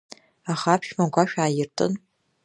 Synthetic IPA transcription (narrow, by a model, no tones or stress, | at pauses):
aχapʰʃmaɡʷaʃᶣaːjɪrtʰʼɨ̰n